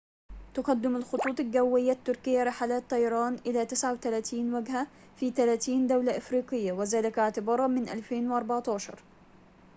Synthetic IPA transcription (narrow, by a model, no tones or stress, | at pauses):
t̪ʊqɑd̪ːɪmalxʊt̪ˤuːt̪ˤɪlɡawːɪjːat̪ːʊɾkɪjːaɾˤɪħaːlaːt̪ˤːɑjɑɾˤɑːnʔɪlaːt̪ɪsʕawt̪alaːt̪iːnwaɡha | fiːt̪alaːt̪iːnd̪awlaʔafɾiːqɪjːawɪzaːlɪkɪʕt̪ɪbɑːɾˤɑmɪnʔa̰lfeːnwʔɑɾˤbɑʕt̪ɑːʃɑ̰ɾˤ